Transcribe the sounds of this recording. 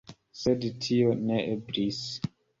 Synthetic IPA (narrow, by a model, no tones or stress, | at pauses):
sedtʰioneʔebɾis